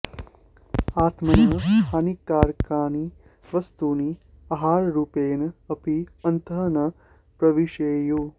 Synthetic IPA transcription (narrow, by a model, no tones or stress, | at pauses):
aːt̪mɐnət̪ʰaːnikːaːɾkaːni | ʋəst̪uːniː | ɐɦaːɾɾuːpeːnɐɐpiɐnt̪ənɐ | pɾɐʋiʃeːjo